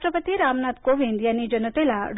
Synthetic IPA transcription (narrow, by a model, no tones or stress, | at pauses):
ʈɾəpət̪iɾaːmnat̪koʋind̪jaːnːid͡ʒɐnɐt̪elaɖ